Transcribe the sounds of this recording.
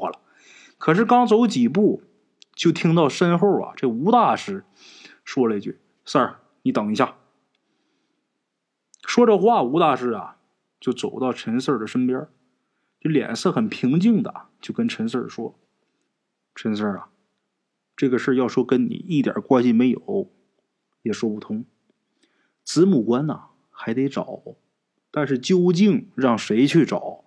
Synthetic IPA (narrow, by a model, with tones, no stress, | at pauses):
a̰˩lə̰˩ | kʰɤ˨˩ʂ̬ɻ̩˥˩kɑ˥ŋt͡so˧˥ʊt͡ɕi˨˩pu˥˩ | t͡ɕjo˥˩ʊt̪ʰi˥ŋt̪ɑ˥˩ʊʂə˥nxo˥˩ɐ̰˨˩ʈ͡ʂɤ˥˩ɡə˧u˧˥t̪a˥˩ʂɻ̩˥ | ʂwɔ˥lə˨i˧˩t͡ɕy˥˩ | sə˞˥˧˩ | ni˧˥t̪ɑ˨˩ŋi˧˥ɕja˥˩ | ʂwɔ˥ʈ͡ʂə˨xwa˥˩u˧˥t̪a˥˩ʂɻ̩˥ɐ̰˨˩ | t͡ɕjo˥˩ʊt͡so˨˩ʊt̪ɑ˥˩ʊʈ͡ʂʰə˧˥nsə˞˥˩d̪ə˩ʂə˥npjə˥ | t͡ɕljɛ̰˨˩nsɤ˥˩xə˨˩npʰi˧˥ŋt͡ɕi˥˩ŋd̪ə̰˩t͡ɕjo˥˩ʊkə˥nʈ͡ʂʰə˧˥nsə̰˞˥˩ʂwɔ˥ | ʈ͡ʂʰə˧˥ns̬ə˞˥˩ɐ̰˩ | ʈ͡ʂɤ˥˩ɡə˩ʂɻ̩˥˧jɑ˥˩ʊʂwɔ˥kə˥nnḭ˨˩˦i˥˩t̪ja̰˨˩kwa˥˧ɕi˥˩me˧˥ɪjo˨˩˦ʊ | jɛ˨˩ʂwɔ˥pu˥˩t̪ʰʊ˥ŋ | t͡sɹ̩˧˥mu˨˩kwa˥nɐ̰˨˩ | xa˧˥ɪt̪e˧˥ɪʈ͡ʂɑ˨˩˦ʊ | t̪a˥˧nʂ̬ɻ̩˥˧˩t͡ɕjo˥ʊt͡ɕi˥˩nɻɑ˥˩ŋʂe˧˥ɪt͡ɕʰy˥˩ʈ͡ʂɑ˨˩˦ʊ